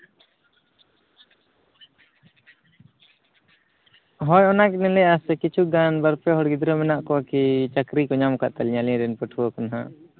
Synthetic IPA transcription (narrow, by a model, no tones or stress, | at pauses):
ɦɔjɔnaknɛlɛasɛkit͡ʃʰuɡanbəɾpɛɦɔɽɡid̪ɾɔmɛnaʔkɔakit͡ʃəkɾikɔɲamka̰ʔt̪alɲalɛ̃ɾɛnpəʈʰuɔkanaɦã̰